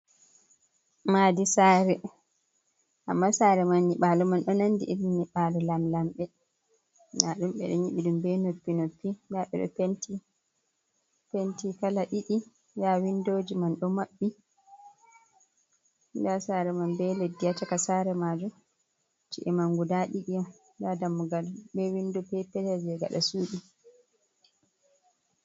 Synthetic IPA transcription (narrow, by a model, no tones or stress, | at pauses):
maːdisaːɾɛ | ʔamːasaːɾɛmanːiɓaːlɔmanɗɔnandḭʔiɗimniɓalɔlamlamɓɛ | naɗumɓɛ̰ɗɔɲiɓiɗumbɛnopːinopːindaɓɛ̰ɗɔ̰penti | pentikalaʔiɗi | jawindoːd͡ʒimanɗɔmaɓːi | ndasaɾɛmambɛledːiat͡ʃakasaɾɛmad͡ʒum | t͡ʃiʔɛmaŋɡudaɗiɗijɔm | dadamːuɡalbɛwindupɛpɛtɛd͡ʒɛɡa̰ɗa̰suːɗi